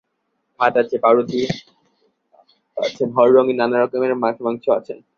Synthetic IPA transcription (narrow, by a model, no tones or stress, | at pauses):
matat͡ɕʰepaɾot̪i | a̰t͡ɕʰenɦɔɾːoŋinanaɾɔkomeɾmakʰmaŋt͡ʃʰoat͡ɕʰen